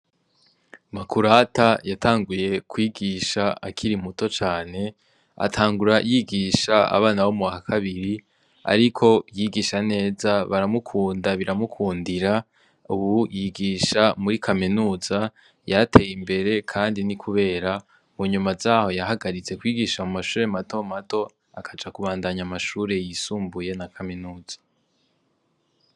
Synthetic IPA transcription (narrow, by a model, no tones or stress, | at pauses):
makuɾatajatʰaːŋɡuje̞kwiːɡiːʃaakʰiɾimutot͡ʃaːne̞ | a̰tʰaːŋɡuɾajiːɡiːʃaa̰βaːnawomuakakʰaβiɾi | a̰ɾikʰo̞jiːɡiːʃane̞ːzaβaɾamukʰuːndaβiɾamukʰuːndiɾa | uβujiɡiːʃamuɾikʰaminuːz̥a | jatʰe̞jimbe̞ɾe̞kʰaːndinikʰuβe̞ːɾa | muɲumazaːho̞jaɦaɡaɾit͡se̞kwiːɡiʃamumaʃuːɾe̞mato̞mato̞ | akʰad͡ʒakuβaːndaɲamaʃuːɾe̞jisuːmbuje̞nakʰaminuːz̥ḁ